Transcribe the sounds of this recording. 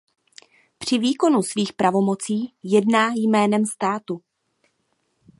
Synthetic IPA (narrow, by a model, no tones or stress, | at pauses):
pr̝̥ɪviːko̞nusviːxpɾavo̞mo̞t͡siːjɛdnaːjmɛːnɛmst̪aːt̪u